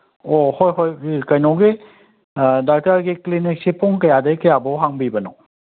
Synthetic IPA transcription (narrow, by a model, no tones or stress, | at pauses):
ɔhɔjɦɔjkajnɔwɡe | dak̚taɾɡiklinik̚sipɔŋkajadajkajabɔwɦaŋbibanɔ